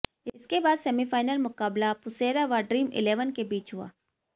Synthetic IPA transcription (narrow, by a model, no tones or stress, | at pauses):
ɪskebaːd̪sɛːmifaːɪnəlmʊkaːblapʊseːɾaʋaɖɾiːmɪ̰leːʋənkebiːt͡ʃɦʊa̰ː